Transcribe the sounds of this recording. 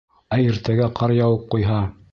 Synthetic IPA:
æiɾt̪æɡæqʰɑɾjɑwɤp̚qujɦɑ

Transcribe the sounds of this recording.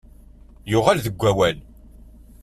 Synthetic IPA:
jʊʁælðəɡʷːæwæl

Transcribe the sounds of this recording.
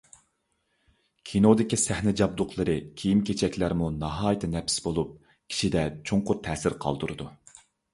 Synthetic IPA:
kʲʰinod̪ɪkʲisæhnɪd͡ʒɑb̚d̪ʊqʰlˠɨɾɨkʲʰijimkʲʰet͡ʃʰɛkʲlæɾmunɑɦɑːjt̪ʰɨnɛpɪ̥sbolˠup̚ | kʲʰi̥ʃid̪ɛt͡ʃʰoŋqʊɾt̪ʰɛːsɪɾqʰɑ̰lˠd̪uɾɨd̪u

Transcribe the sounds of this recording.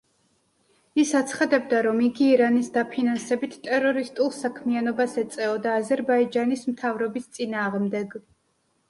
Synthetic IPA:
isat̪sʰχad̪ɛb̚d̪aɾɔmiɡiːɾanisd̪apʰinansɛbit̪ʰt̪ʼɛɾɔɾist̪ʼulˠsakʰmianɔbasɛt̪sʼɛɔd̪aːzɛɾbaid͡ʒanismt̪ʰavɾɔbist̪sʼinaːʁmd̪ɛɡ

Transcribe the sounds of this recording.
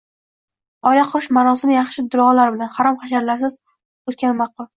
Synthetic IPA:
ɒjlaqʰʊɾɪʃmaɾɒsɪmɪjɑχʃɪd̪ʊɾɒʁlaɾɪbɪlanhaɾɒmqɑʃ̬aɾlaɾs̬ɪz̥ | ot̪̚kʲanmɑq̚ʊlˠ

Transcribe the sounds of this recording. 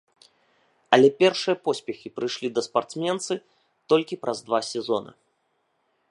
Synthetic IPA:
ɐlʲɛpʲɛrʂɨjɐpɔsʲpʲɛxʲipɾɨjʂlʲid̪ɐspart̪smʲɛnt̪sɨ | t̪ɔlʲkʲipɾʔɐzd̪vasʲɛzɔnɐ̰

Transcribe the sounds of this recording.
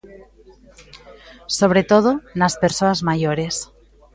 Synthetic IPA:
soβ̞ɾet̪oð̞onaspeɾsoazmajoɾes

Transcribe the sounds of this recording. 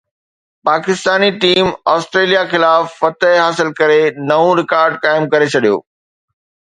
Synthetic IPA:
paːkɪst̪aːniʈiːmɔːsʈɾeːlijaxɪlaːfːɐt̪əɦɦaːsɪlkɐɾenɐʋũɾɪkaːɾɖkaːɪmkɐɾet͡ɕʰɐɗijo̰ː

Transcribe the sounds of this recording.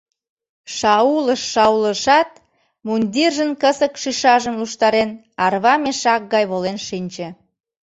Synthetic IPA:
ʃɑuləʃːɑuləʃɑt̪̚ | munʲd̪ʲirʒənkəsəkʃiʃɑʒəmluʃt̪ɑɾen | ɑrβɑmeʃɑk̚ɡɑjβolenʃinʲt͡ɕĕ

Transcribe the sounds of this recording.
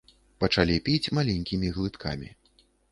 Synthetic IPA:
pɐt͡ʂalʲipʲit͡sʲmalʲɛnʲkʲimʲiɣlˠɨt̪kʰa̰mʲḭ

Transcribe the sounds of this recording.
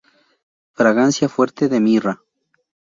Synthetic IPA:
fɾaɣansjafweɾt̪eðemira

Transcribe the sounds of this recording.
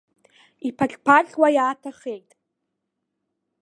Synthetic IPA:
ipʰat͡ɬʲʼpʰaɬʲwajaːtʰaχejtʼ

